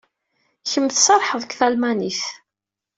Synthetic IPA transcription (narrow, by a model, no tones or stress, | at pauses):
çəmːθsɑɾˤħəðˤəkʷθælmæniθ